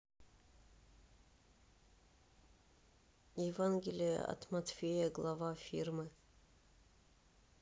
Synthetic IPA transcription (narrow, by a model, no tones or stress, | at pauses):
jɪvanɡʲɪlʲɪjə̰ɐ̰t̪mɐt̪fʲejəɡlˠɐvafʲirmɨ